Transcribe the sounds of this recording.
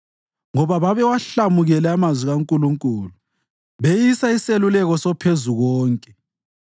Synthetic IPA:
ŋɔβaβaβɛwaɬamuɣɛlɛamazwiɣaŋkʼuluŋkʼulu | βejisaiselulɛɣɔsɔpʰezuɣɔːŋkʼɛ

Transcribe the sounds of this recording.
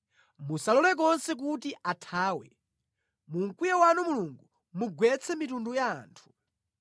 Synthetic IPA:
musalɔlɛk̬ɔnsɛk̬utiʔatʰaːwɛ̰ | muŋ̩kujawanɔmuluŋɡu | muɡwɛt͡sʰɛmitunduja̰ːntʰu̥

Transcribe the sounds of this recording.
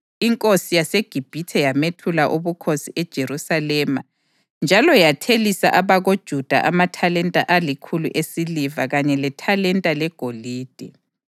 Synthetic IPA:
iŋkʼosijaseɡ̥ʱib̥ʱitʰɛjametʰulaʔuβukʰosiʔɛd̥ʒ̥ʱerusalɛma | nd͡ʒʱalɔjatʰelisa̰ʔaβaɣod̥ʒ̥ʱud̥ʱa̰ʔamatʰalɛntʼa̰ʔalikʰulṵʔesilivaɣaɲɛlɛtʰalɛntʼalɛɡ̥ʱoliːd̥ʱɛ

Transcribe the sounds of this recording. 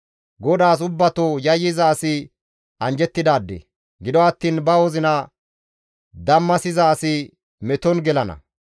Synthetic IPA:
ɡɔd̪aːs̬ʊbːɐt̪oːjɐjːɪzaːsɪ | ʔɐnd͡ʒɛt̪ːɪd̪aːd̪ːḛ | ɡɪd̪ɔɐt̪ːiːnbɐwɔzɪnɐ | d̪ɐmːɐsɪzaːsɪ | mɛt̪ɔnɡɛlɐnɐ̰

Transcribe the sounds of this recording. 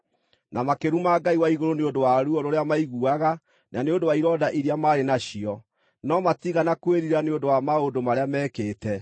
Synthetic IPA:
namakeɾumaɡaiwaiɣoɾoneondowaɾuɔɾoɾeamaiɣuaɣa | nʔaneondowaiɾɔdaʔiɾeamaːɾenaɕiɔ | nɔmatiɣanakweɾiɾaneondowamaodomaɾeamɛːkeːtɛ

